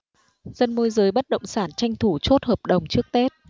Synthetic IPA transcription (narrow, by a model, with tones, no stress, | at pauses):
zə˧nmo˧jzəː˨˦jɓə˦˥t̚ɗə̰˧˨wŋ͡msaː˧˩nt͡ɕa˧jŋ̟t̪ʰu˧˩t͡ɕo˦˥t̚həː˨˩p̚ɗə˨˩wŋ͡mt͡ɕɨ˦˥ək̚t̪e˦˥t̚